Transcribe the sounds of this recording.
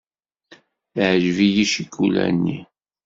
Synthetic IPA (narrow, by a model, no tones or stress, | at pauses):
ʕʒvijiʃikːulæ̰nːi